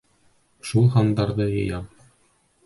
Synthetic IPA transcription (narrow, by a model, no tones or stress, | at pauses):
ʃulˠɦɑnd̪ɑɾðɤjɤ̆jɑm